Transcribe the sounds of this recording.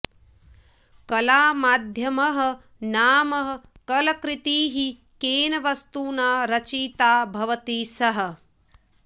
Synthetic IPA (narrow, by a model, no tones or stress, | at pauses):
kɐlaːmaːd̪ʱjɐmɐɦɐ̆ | naːmɐɦɐ̆kɐlɐkɾɪt̪iːɦi | keːnɐʋɐst̪uːnaːɾɐt͡ʃiːt̪aːbʱɐʋɐt̪iːsɐɦɐ̆